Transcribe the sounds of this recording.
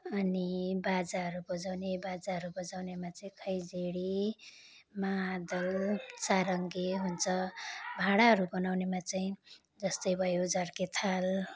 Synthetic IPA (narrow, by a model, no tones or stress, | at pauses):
ʌnibad͡zaɦʌɾubʌd͡zawnebad͡zaɦʌɾubʌd͡zawnemat͡saĩkʰʌjd͡zeɽi | mad̪ʌlsaɾʌŋɡeɦunt͡sʰʌbʱaɽaɦʌɾubʌnawnemat͡saĩ | d͡zʌst̪ʌjbʱʌjod͡zaɽket̪ʰal